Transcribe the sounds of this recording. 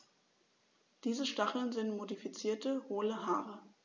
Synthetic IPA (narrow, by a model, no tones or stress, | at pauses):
d̥iːzəʃtaχl̩nzɪntmodifit͡siːɐtəhoːləɦaːʁə